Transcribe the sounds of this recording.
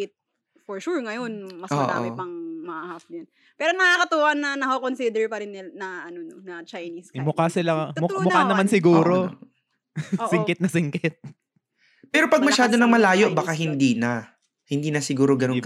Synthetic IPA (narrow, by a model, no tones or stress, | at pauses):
ɪt̪̚ | foɹʃuɹŋɐjonmɐso̰ʔo̰ɪpɐŋmɐʔahafnjɐn | pɛːɾonɐŋakɐt̪uwʔɐnɐnɐkokonsid̪ɛɹpɐɾɪnɪnɐʔɐnononɐt͡ʃɐjniskmʊkaːsɪlamʊmʊanɐmansɪɡuːɾo | sɪŋkɪt̪̚nɐsɪŋkɪt̪̚ | pɛːɾopɐɡ̚mɐʃaːd̪onɐŋmɐlaːjoʔbakaɦɪnd̪iːnɐ | hɪnd̪iːnɐsɪɡuːɾoɡɐnok